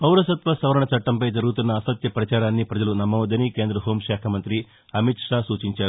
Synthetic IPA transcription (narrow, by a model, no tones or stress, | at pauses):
pɐwɾɐsɐt̪ʋɐsɐʋɐɾɐɳɐt͡ʃɐʈːɐmpɐjd͡ʒɐɾɡut̪unːɐːsɐt̪jɐpɾɐt͡ʃaːɾaːnːipɾɐd͡ʒɐlunɐmːɐːd̪ɐnike̞ːnd̪ɾɐɦoːmʃaːkʰɐmɐnt̪ɾi | ɐmit̪ʂaːsuːt͡ʃiɲt͡ʃaːɾu